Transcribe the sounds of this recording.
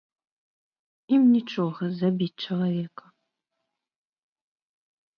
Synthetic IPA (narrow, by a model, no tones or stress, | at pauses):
imnʲiʈ͡ʂʰʼoɣɐzabʲit̚ʲʈ͡ʂʰilˠavʲekɐ̥